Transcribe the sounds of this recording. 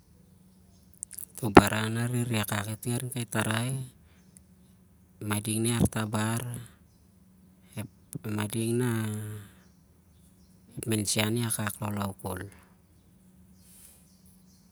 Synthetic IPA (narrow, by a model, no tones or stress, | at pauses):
t̪obaɾʔanaɾeɾiakaketiaɾiŋkajt̪aɾaj | madiŋneart̪abaɾ | e | madiŋna | epmensianeakaklolauko̰l